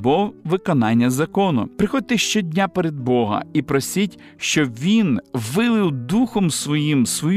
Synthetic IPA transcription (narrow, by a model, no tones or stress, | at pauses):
bɔʋɪkɔnɑnʲːɐzɐkɔnʊ̰pɾɪxɔd̚ʲt̪eʃt͡ʃɛdʲnʲapeɾed̪̚bɔɦɐ̰ipɾɔsʲitʲ | ʃt͡ʃɔʋʲinʋɪlˠɪwd̪uxɔmsʋɔjimsʋɔj